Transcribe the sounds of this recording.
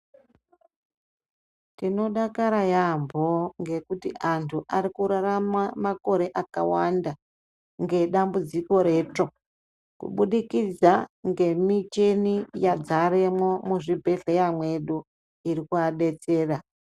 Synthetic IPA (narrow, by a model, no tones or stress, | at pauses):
tino̞ɗakaɾajambʱo̞ŋɡe̞kutiantʰuʔaɾikuɾaɾamamako̞ɾe̞ʔakawanda | ŋɡe̞ɗambud͡ziko̞ɾe̞ːt͡ʂo̞ | kṵɓuɗikid͡zaŋɡe̞mit͡ʃenijad͡zaɾemwo̞muʐibʱe̞ɮejamwe̞ɗu | iɾikuaɗe̞t͡se̞ːra